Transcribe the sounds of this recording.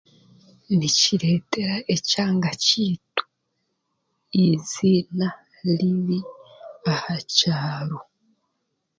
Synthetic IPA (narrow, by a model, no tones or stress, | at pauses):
niciɾeːte̞ɾaʔecaːŋɡaciːtu̥ | izina | liβiahacaːɾo